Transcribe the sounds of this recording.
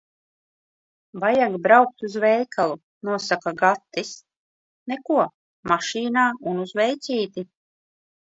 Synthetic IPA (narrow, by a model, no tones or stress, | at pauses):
vajaɡbɾawk̚t̪uzvɛjkʰalˠu | nuɔsakaɡat̪ːis | nɛkuɔ | maʃiːnaːunuzvɛjt̪siːt̪i